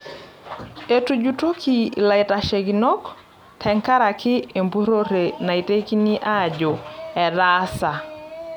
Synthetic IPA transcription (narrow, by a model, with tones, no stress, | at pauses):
e˨tu˨d͡ʒuto˦kʰi˨la˨i˨ta˨ʃe˨ɡinɔ˦k | tʰɛ˨ŋka˦ɾa˨kʰɪ˦e˨mbu˦ɾo˦ɾe˨na˨i˨te˦ki˦ni˦ʔa˦d͡ʒɔ˨ɛ˨ɾasa˨